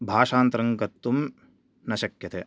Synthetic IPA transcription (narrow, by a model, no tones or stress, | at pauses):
bʱaːʂaːnt̪ɾɐŋkɐt̪ːum | nɐʃɐkjɐt̪ʰe